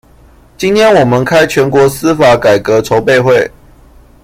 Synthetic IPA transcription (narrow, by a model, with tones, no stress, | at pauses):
t͡ɕi˦˥nt̪ʰjɛ˦nwɔ˨˩mə˦nkʰa˦ɪt͡ɕʰɥɛ˧˥nkwɔ˧˥˦s̩˦fa˨˥˦ka˨˩ɪkə˨˦t͡sʰo˧˦ʊpe˥˧ɪxwe˥˨ɪ